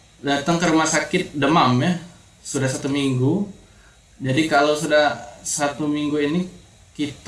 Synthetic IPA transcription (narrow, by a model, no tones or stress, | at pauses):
dat̪əŋkəɾumasakɪt̪̚dəmamja | sudahsat̪umiŋɡu | d͡ʒadikalowsudahsat̪umiŋɡuini | kit̪